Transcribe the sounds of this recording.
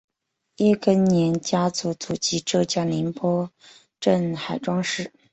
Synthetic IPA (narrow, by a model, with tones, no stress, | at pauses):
jɛ˥kə˥nnjɛ˧˥nt͡ɕja˥t͡su˧˥t͡su˨˩t͡ɕi˧˥ʈ͡ʂɤ˥˧t͡ɕja˥li˧˥npwɔ˥ | ʈ͡ʂə˥˩nxa˨˩ɪʈ͡ʂwɑ˥ŋʂɻ̩˥˩